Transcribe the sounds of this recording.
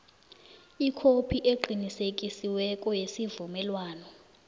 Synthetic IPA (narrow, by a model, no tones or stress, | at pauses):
ikʰopʰiʔeǃinisekʼisiwɛkʼɔjesivumɛlwaːnɔ